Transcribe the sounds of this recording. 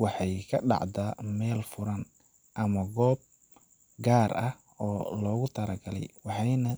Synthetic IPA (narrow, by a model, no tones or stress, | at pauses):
wɑħɑjkʰɐɖɑ̰ʕd̪aːmɛːlfʊɾɐn | ʔɐmɐɡɔːb̚ | ɡaːrɐh | ɔːlɔːɣʊt̪ʰɐɾɐɡɐlɛ̰jwɑħɑjnɐ